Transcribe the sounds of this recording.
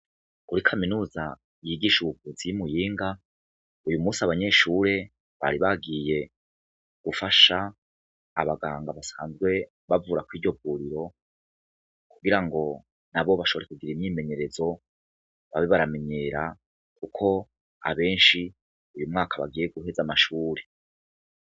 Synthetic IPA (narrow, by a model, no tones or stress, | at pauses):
uɾikʰaminuːza | jiːɡiːʃuβuvuzijimujiːŋɡa | ujumuːsiaβaɲe̞ʃuːɾe̞ | βa̰ɾiβaɡije̞ | ɡ̥ufaʃa̰ː | βaɡa̰ːŋɡaβasa̰ːnzɡwe̞ | βavuːɾakwiːɾɟo̞vuːɾiɾo̞ | kuɡiɾaŋɡo̞ | naβo̞βaʃoβoɾekuɡiɾimɲiːme̞ɲe̞ɾe̞zo̞ | βaβeβaɾame̞ɲe̞ːɾa | kukʰo̞ | a̰βe̞ːnʃi | ujumŋaːkaβa̰ɡiːje̞ɡuɦe̞zamaʃuːɾe̞